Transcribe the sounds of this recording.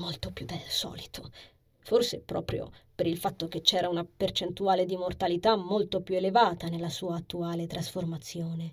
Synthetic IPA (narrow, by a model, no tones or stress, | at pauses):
molt̪opjud̪elsɔ̰ːlit̪ʰo | forsepɾɔ̰ːpɾjo̰peɾilfat̪ːok̟et͡ʃːɛːɾaunapert͡ʃent̪uaːled̪imort̪alit̪amːolt̪opjuelevaːt̪anelːasuːaːt̪ːuaːlet̪ɾasformat̪sːjoːne